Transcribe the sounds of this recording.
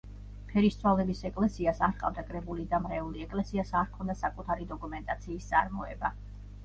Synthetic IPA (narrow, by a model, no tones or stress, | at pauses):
pʰɛɾist̪sʰwalɛbisɛkʼlɛsiasaɾqʼa̰vd̪akʼɾɛbulid̪amɾɛuliɛkʼlɛsiasaɾkʰɔnd̪asakʼut̪ʰaɾid̪ɔkʼumɛnt̪ʼat̪sʰiːst̪sʼa̰ɾmɔɛba